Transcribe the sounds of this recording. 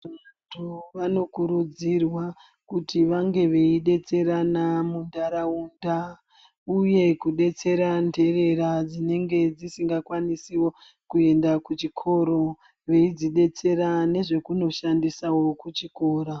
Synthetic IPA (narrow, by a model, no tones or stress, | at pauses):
atʰuʋano̞kuɾud͡zirwa | kutʰiʋaŋɡe̞ʋe̞iɗe̞t͡se̞ɾanamundaɾaunda | uje̞kuɗe̞t͡se̞ɾande̞re̞ɾad͡zine̞ŋɡe̞d͡zisiŋɡakwanisiwo̞ | kue̞ndakut͡ʃikʰo̞ɾo̞ | ʋe̞id͡ziɗe̞t͡se̞ɾane̞ʐe̞kuno̞ʃandisawo̞kut͡ʃiko̞ːɾa